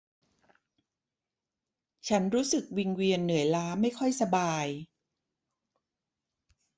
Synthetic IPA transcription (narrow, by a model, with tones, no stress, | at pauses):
t͡ɕʰa˦˥nɾuː˦˥sɯ˨˩k̚wi˧ŋwi˧ənːɯ˩˦jlaː˦˥ma˥˩jkʰɔ˥˩jsa˧baː˧j